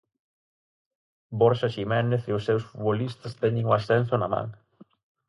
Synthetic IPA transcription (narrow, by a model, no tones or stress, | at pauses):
bɔɾʃaʃimɛneθeʊsːewsfut̪βolist̪ɐst̪ɛɲɪŋoasɛnsʊnɐmã̰ŋ